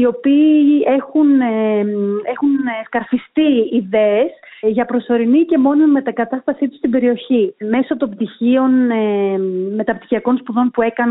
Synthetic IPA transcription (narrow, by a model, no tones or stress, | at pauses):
io̞piːe̞xun | e̞xunskɐɾfist̪iiðe̞ːs | ʝɐpɾo̞so̞ɾinice̞mo̞nome̞t̪ɐkɐt̪ɐst̪ɐsit̪u̥st̪ibe̞ɾio̞çime̞so̞t̪o̞mbt̪içio̞n | me̞t̪ɐpt̪i̥çiɐko̞nspuðo̞npue̞kɐn